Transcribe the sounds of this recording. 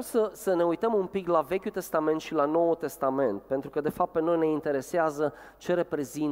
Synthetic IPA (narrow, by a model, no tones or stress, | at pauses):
səsəne̞ujt̪əmumpiklave̞kʲut̪e̞st̪ament̪ʃilano̞wut̪e̞st̪ame̞nt̪̚pe̞nt̪ɾukəd̪e̞fap̪̚peno̞jne̞int̪e̞ɾe̞seazə | t͡ʃe̞ɾe̞pɾe̞zi